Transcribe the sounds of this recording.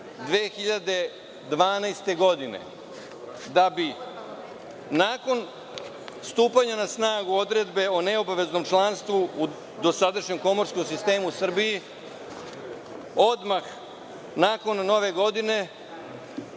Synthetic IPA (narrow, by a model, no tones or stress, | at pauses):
d̪ʋeːxiʎad̪e̞ | d̪ʋaːnajst̪e̞ɡo̞d̪ine̞̰ | d̪abi | naːko̞n | st̪uːpaɲanasnaːɡuo̞d̪ɾe̞d̪be̞o̞ne̞obaʋe̞zno̞mt͡ʃlˠanst̪ʋuu | d̪o̞sad̪aʃɲe̞mko̞mo̞ɾskomsist̪e̞ːmusr̩biji | o̞d̪max | naːko̞nːo̞ʋe̞ɡo̞d̪ine̞